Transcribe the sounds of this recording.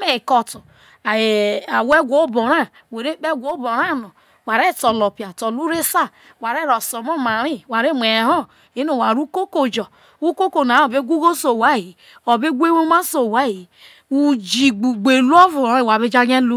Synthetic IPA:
me˨˦˨kɔ˨tu˨ | a˨e˨a˨we˦ɡʷo˦bo˨ɾa˦ | we˨ɾe˦k͡pe˦ɡʷo˨˦bo˨ɾa˦˨no˨ | wa˨ɾe˦˨to˨lo˨pi˨a˨tɔ˨lu˦ɾe˦sa˦ | wa˨ɾe˦ɾɔ˨so˨mo˦ma˨ɾi˦wa˨ɾe˦mʷ˨e˨ɦɔ˦ | i˦no˨wa˨ɾu˦ko˦ko˨d͡ʒɔ˨ | u˦ko˦ko˨na˨˦o˨be˦ɡʷu˦ɡo˦so˨wa˦˨ji˨ | o˨be˦ɡʷe˦wo˦ma˦so˨wa˦ji˨ | u˨d͡ʒi˨ɡ͡bu˨ɡ͡be˨lu˦o˦vu˨˦i˨wa˨be˦d͡ʒa˦ɡe˦lu˦

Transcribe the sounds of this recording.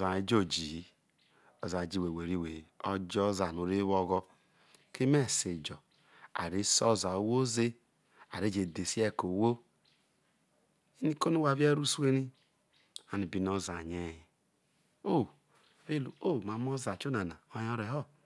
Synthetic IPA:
za˨i˦d͡ʒo˦d͡ʒi˨˦ | ɔ˨za˨d͡ʒi˦we˨we˨ɾi˦˨we˨ɔ˦d͡ʒɔ˦za˨no˨ɾe˦wɔ˦ɡɔ˦ | ke˦me˦˨se˨d͡ʒɔ˨ | a̰˨ɾe˦sɔ˦za˨o˦wo˦ze˦ | a̰˨ɾe˨˦d͡ʒe˨de˨si˦ɛ˦˨ko˨wo˦ | i˦ni˦ko˦nu˦wa˨βi˦e˦ɾu˦su˦e˦ɾi˦ | a˨ni˨bi˨˦no˦za˨ɲe˦i˦ | o˦˨ | βe˦lu˨o˦˨ma˨˦m˦ɔ˦za˨t͡ʃo˦na˨na˨o˦jɔ˦ɾe˨ɦɔ˦

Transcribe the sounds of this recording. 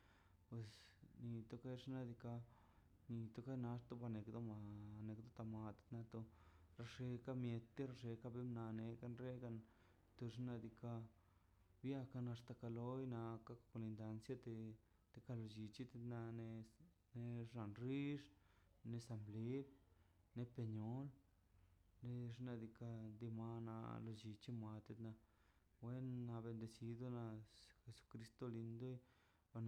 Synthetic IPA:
pwe˧sni˧t̪o˦ka˦jʂna˧d̪i˧ka˧ | ni˧t̪o˦ka˦jna˧ʂt̪o˦ba˧ne˨kd̪o˦ma˧ne˨kd̪o˦t̪a˧ma˧t̪na˧t̪o˧ɾa˧ʂe˧ka˦mje˧t̪ːi˦ɾa˧ʂe˧ka˦be˦mna˧ne˧ka˧˦nɾe˦ka˧n | t̪o˧ʂ̬na˧d̪i˧ka˧ | bja˧ka˧na˧st̪a˧ka˧lo˦jna˧ka˦kko˧ni˧nd̪a˧nsja˧t̪e˧ | t̪e˧ka˧lo˧d͡ʒi˧t͡ʃi˦t̪e˧t̪na˧ne˧ | ne˧ʐna˨nɾi˦ʐ | ne˧sa˧mble˦b | ne˧pe˧ɲo˦l | ne˧ʐna˧d̪i˧ka˧d̪i˧ma˧na̰˧lo˧d͡ʒi˧t͡ʃi˦mʷa˧t̪e˧t̪na˧ | we˦nːa˧βe˧nd̪e˧si˧d̪o˦˧na˧xe˧su̥˧kɾi˧˦st̪o˦li˧nd̪u˦j | ba˧n˧

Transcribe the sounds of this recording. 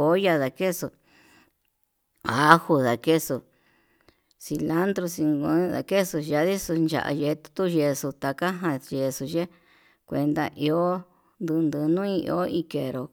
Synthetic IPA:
o˦ja˧ða˧ke˦so˧˨ | a˨˦hu˧ða˨ke˦so˧ | si˧la˦nd̪ɾu˧si˧ŋɡũ˧˦ða̰˨ke˦su˧ja˧˦ði˦su˧nd͡ʒa̰˨ʔa̰˧je˧t̪u̥˧t̪u˦ʒe˧su˧t̪a˧ka˦ɦã˧ʒe˧su˧ʒe˦ | kʷe˧nd̪a˧ʔi˧o˦ | nd̪ɨ˧nd̪ɨ˧nũ˦ĩ˧ḭ˧o˦i˧ke˨ɾo˨

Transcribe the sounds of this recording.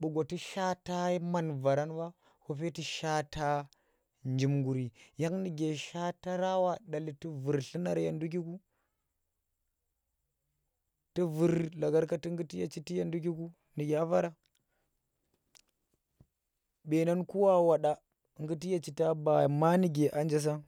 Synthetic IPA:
ɓu˨ɡo˨ti˦ʃa˦ta˦ma˨nva˨ɾa˦nba˦ | ho˦fe˦ti˦ʃa˦ta˦ | nd͡ʒi˨mɡu˨ɾi˨ja˦ŋni˨ɡe˨ʃa˦ta˦ɾa˦wa˦˨ɗa˨li˨ti˦vu˨ɾɬi˦na˦ɾja˨ndu˦k̬i˦ku˦ | ti˦vu˨ɾla˨ɡa˦ɾka˦ti˦ŋɡi˦ti˦ja˨t͡ʃi˦ti˦ja˨ndu˦k̬i˦ku˦ | ni˨ɡʲa˦va˦ɾa˦ | be˨na˦nku˦wa˦wa˨ɗa˦˨ | ŋɡi˦ti˦ja˦˨t͡ʃi˨ta˦ba˨ma˦ni˦ɡe˨ʔa˦nd͡ʒa˦s̬a˦

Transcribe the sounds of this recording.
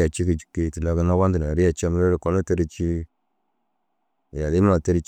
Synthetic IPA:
a˨t͡ʃi˦ki˨d͡ʒi̥˨kːe˦˨ti˨la˨ɡə˨na˦wa˦ndi˨na˨ɾi˦ja˨t͡ʃi˦a˦m˨˦ɾe˦ɾi˨ko˨˦lo˦te˦ɾi˦t͡ʃi˦˨ | ja˨li˦m˦a˨te˦ɾi˦t͡ʃ

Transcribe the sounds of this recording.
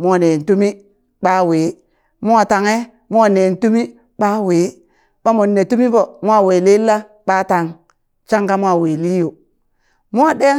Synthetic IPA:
mu˦a˨ne˨n˨tu˦mi˦ | ɓa˦weː˨˦ | mu˦a˨ta˨ŋe˦ | mu˦a˨ne˨n˨tu˦mi˦ | ɓa˦we˨˦ | ɓa˦mo˨nːe˨tu˦mi˦bo˨mu˦a˨we˨le˦lːa˦ | ɓa˦ta˨ŋ | t͡ʃa˦ŋɡa˦mu˦a˨we˨li˦jo˨ | mu˦a˨de˦

